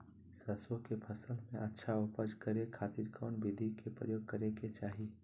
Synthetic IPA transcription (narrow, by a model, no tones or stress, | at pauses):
sɐsõkepʰəsəlmẽʔɐtːʃʰaʊpəd͡ʒkəɾekʰaːt̪iːɾkʰɔ̰ːnʋɪd̪ʱikepɾəjoːɡ̚kəɾeɡet͡ʃaːɦie